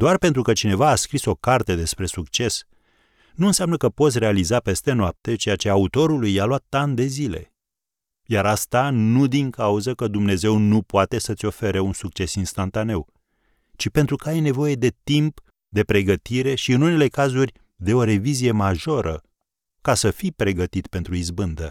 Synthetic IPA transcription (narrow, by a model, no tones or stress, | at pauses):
d̪oarpe̞nt̪ɾukət͡ʃine̞vaːskɾiso̞kart̪ed̪e̞spɾe̞sukt͡ʃe̞s | nuɨnsjamnəkəpo̞t̪sʲre̞alizape̞st̪e̞noap̚t̪e̞t͡ʃe̞jat͡ʃe̞aut̪o̞ɾulujaloat̪ːand̪e̞zile̞̰ | jaɾast̪anud̪iŋkauzəkəd̪umne̞ze̞wnupoat̪e̞sət̪sʲo̞feɾeunsuk̚t͡ʃe̞sinst̪ant̪ane̞w | t͡ʃipent̪ɾukəajne̞vo̞je̞d̪e̞t̪imp | d̪e̞pɾe̞ɡət̪iɾe̞ʃiɨnune̞le̞kazurʲ | d̪e̞o̞ɾe̞vizije̞maʒo̞ɾʔə | kasəfipɾe̞ɡət̪it̪pe̞nt̪ɾuizbɨnd̪ə